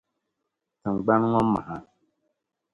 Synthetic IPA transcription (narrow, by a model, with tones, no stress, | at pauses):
tɨ˨ŋ͡mɡ͡ba˦n˦ŋɔ˦mːa̰˨ha˨